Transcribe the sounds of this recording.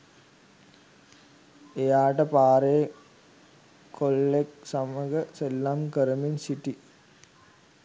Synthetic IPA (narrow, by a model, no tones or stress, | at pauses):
ejaːʈɐpaːɾe | kolːeksɐmɐɡəselːamkəɾɐminsiʈi